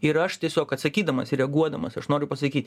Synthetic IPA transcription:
ɪɾɐʃt̪ʲiɛsʲoːkɐt̪sɐkʲiːd̪ɐmɐsɪɾʲɛɡuɔd̪ɐmɐsɐʃnoːɾʲʊpɐsɐkʲiːt̪ʲ

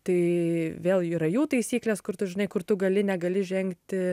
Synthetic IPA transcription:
t̪ɐɪʋʲeːlˠiːɾɐjuːt̪ɐɪsʲiːklʲeːskʊrt̪ʊʒʲɪnɐɪkʊrt̪ʊɡɐlʲɪnʲɛɡɐlʲɪʒʲɛŋkt̪ʲ

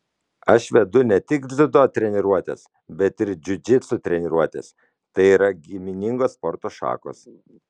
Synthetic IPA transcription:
ɐʃʋʲɛd̪ʊnʲɛt̪ʲɪkd̪zʲɪd̪oːt̪ʲɾʲɛnʲɪɾuɔt̪ʲḛs | bʲɛt̪ɪɾd͡ʒʲʊd͡ʒʲɪt̪sʊt̪ʲɾʲɛnʲɪɾuɔt̪ʲḛs | t̪ɐɪiːɾɐɡʲimʲɪnʲɪŋɡoːspɔɾt̪oːʃɑ̰ːko̰ːs

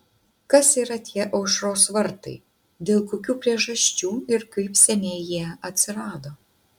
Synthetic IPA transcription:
kɐsiːɾɐt̪ʲiɛʔɐʊʃɾoːsʋɐɾt̪ɐ̰ɪ | d̪ʲeːlˠkoːkʲuːpʲɾʲiɛʒɐʃʲt͡ʃʲuːɪɾkɐɪpsʲɛnʲeːjiɛɐt̪ʲsʲɪɾɑːd̪oː

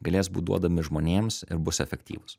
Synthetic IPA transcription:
ɡɐlʲeːsbuːd̪ṵɔd̪ɐmʲɪʒmoːnʲeːmsɪ̰ɾbʊsɛfʲɛkʲt̪ʲḭːʋʊs

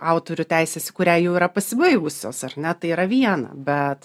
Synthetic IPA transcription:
ɑʊt̪oːɾʲʊtʲæɪsʲeːsʲɪkʊɾʲæːjɛʊiːɾɐpɐsʲɪbɐɪʋʊsʲoːsɐrʲnʲɛt̪ɐɪiːɾɐʋʲiɛnɐ̰bʲɛt̪

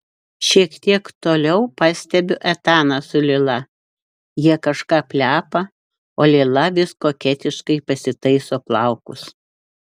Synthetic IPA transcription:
ʃʲiɛkt̪ʲiɛkt̪oːlʲɛʊpɑːsʲt̪ʲɛbʲʊʔɛt̪ɑːnɐsʊlʲɪlˠɐ | jiɛkɐʃkɑːpʲlʲæːpɐ | oːlʲelˠɐʋʲɪskoːkʲɛt̪ʲɪʃkɐɪpɐsʲɪt̪ɐɪsoːplˠɑˑʊkʊs

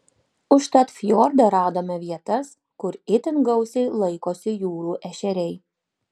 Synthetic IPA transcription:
ʊʃt̪ɐt̪fʲjoːɾd̪ɐɾɑːd̪oːmʲɛʋʲiɛt̪ɐs | kʊɾɪt̪ʲɪŋɡɐʊsʲɛɪlˠɐɪkoːsʲɪjuːɾuːʔɛʃʲɛɾʲɛɪ

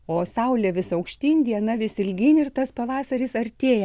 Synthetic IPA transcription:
oːsɐʊlʲɛːʋʲɪsɐʊkʃʲt̪ʲiːnʲd̪ʲiɛnɐʋʲɪsɪlʲɡʲɪnʲɪrt̪ɐspɐʋɑːsɐɾʲɪsɐɾʲt̪ʲeːjɛ

